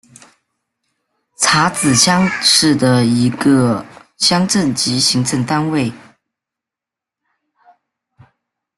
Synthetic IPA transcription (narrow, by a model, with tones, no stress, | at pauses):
t͡sʰa˧˥t͡sɹ̩˨˩ɕjɑ˥ŋʂɻ̩˥˩d̪ə˩i˧˥ɡə˧ɕjɑ˥ŋʈ͡ʂə˥˩nt͡ɕi˧˥ɕi˧˥ŋt͡sʰə˧ŋt̪a˥nwe˥˩ɪ